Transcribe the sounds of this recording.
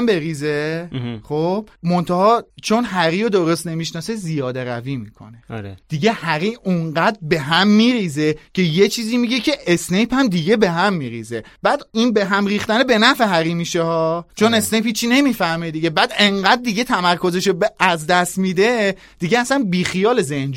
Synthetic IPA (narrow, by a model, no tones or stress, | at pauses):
mbe̞ɾiːzeχob̥mo̞nt̪ʰɑhɒːt͡ʃʰo̞nɦæɾiod̪oɾost̪ne̞miʃnɒːsezijɒːd̪e̞ɾæ̰viːmiːkʰo̞̰nḛɾed̪̥iɟe̞hæɾiːuɴɢæd̪ɾbe̞ɦæmːiːɾiːze̞cʰe̞jet͡ʃʰiːziːmiɟecʰe̞ʔesne̞jpʰæmd̪iɟe̞be̞ɦæmːiːɾḭːzeb̥æd̪inbe̞ɦæmriːxt̪ænebe̞næfeɦæɾiːmiːʃehɒːt͡ʃʰo̞ne̞snejphiːt͡ʃʰːine̞miːfæhmed̪iɟebæd̪e̞ŋɢæd̪̚ːiɟe̞t̪ʰæmæɾkʰo̞ze̞ʃobæzd̪æst̪mid̪e̞ | d̪̥iɟeæsænbiːxijɒːlezend͡ʒ